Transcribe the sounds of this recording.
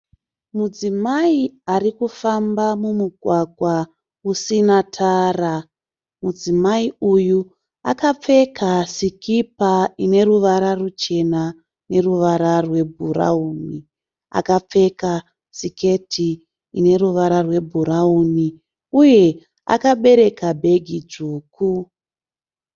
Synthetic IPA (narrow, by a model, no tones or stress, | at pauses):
mud͡zimaiarikufambamumuɡʱwaɡʱwa | usinatʰaːra | mud͡zimaiuju | akap͡fe̞kasikipaine̞ruʋaɾarut͡ʃe̞na | ne̞ruʋaɾarwe̞bʱuɾa̰uːni | a̰kap͡fe̞ka | sike̞tʰiː | ne̞ɾuʋaɾarwe̞bʱuɾauni | uje̞ | a̰kaɓe̞ɾe̞kabʱe̞ɡʱid͡zuːkʰu